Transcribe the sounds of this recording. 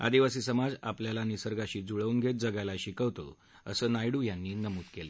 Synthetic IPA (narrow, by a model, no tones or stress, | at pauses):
a̰d̪iʋasiːsəmad͡za̰pljalanisəɾɡaɕiːd͡zuɭəuːnɡʱet̪̚d͡zəɡalaɕikəʋt̪o̰ | əsəːnajɽuːjanːiːnəmuːt̪kele